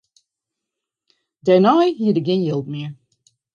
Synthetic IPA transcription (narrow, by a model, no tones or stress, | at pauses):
dɛnaɪhiɨɾɨɡɛ̃njilˠd̚mi